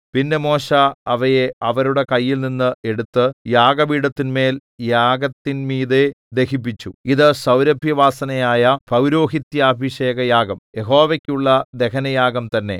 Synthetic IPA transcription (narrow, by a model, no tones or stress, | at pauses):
pinːe̞mo̞ːɕaːʋɐjeɐʋɐɾuɽe̞kɐjːilninːɨe̞ɽut̪ːɨjaːɡɐʋiːɽɐt̪ːinme̞ːljaːɡɐt̪ːinmiːðe | d̪e̞xip̬ːit͡ɕːuiðɨsɐwɾɐbʱjɐʋaːsɐnɐjaːjɐprɐwɾo̞ːɦit̪jɐːbʱiɕe̞ːɡɐjaːɡɐmje̞ɦo̞ːʋɐkʲːuɭːɐd̪e̞kɐnɐjaːɡɐmt̪ɐnːe̞̰